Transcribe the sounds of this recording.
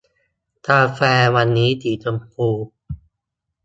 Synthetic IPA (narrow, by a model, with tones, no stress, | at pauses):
t̪aː˧fɛː˧wa˧nːiː˦˥d̪iː˨˩to˧mpʰuː˧